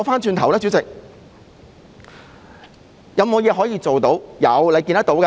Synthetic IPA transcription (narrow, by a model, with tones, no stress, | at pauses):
wfaː˥nt͡ʃyː˧nt̪ʰɐ˨˩wlɛ˥t͡sy˨˥t͡sɪ˨k̚ | jɐ˨˧wmo˨˧wjɛː˨˧ɦɔː˨˥jiː˧t͡so˨wt̪o˨˥wjɐ˨˧wle˨˧jki˧nɐ˥t̪o˨˧˥wka˧